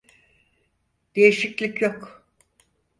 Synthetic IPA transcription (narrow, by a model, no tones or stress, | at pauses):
d̪̥e̞jiʃiclʲicjok